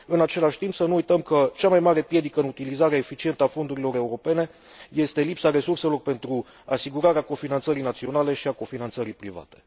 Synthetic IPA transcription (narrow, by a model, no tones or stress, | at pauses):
ɨnat͡ʃe̞laʃʲt̪impsənuːujt̪əmkət͡ʃamajmaɾe̞pje̞d̪ikəɨnut̪ilizaɾeaefit͡ʃie̞nt̪əafo̞nd̪uɾilo̞ɾe̞uɾo̞pe̞ne̞je̞st̪e̞lipsaɾe̞surse̞lo̞rpe̞nt̪ɾu | asiɡuɾaɾeako̞finant̪səɾijnat̪sio̞nale̞ʃiako̞finant̪səɾijpɾiva̰t̪e̞̥